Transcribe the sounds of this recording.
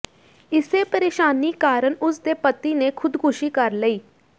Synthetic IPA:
ɪseːpəɾeːʃaːniːkaːɾəɳʊsd̪eːpət̪ːiːneːkʰʊd̪kʰʊʃiːkəɾləiː

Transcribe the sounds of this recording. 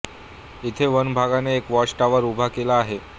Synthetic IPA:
it̪ʰeʋənbʱaɡaneːkʋɔʂʈaʋəɾubʱakelaːɦe

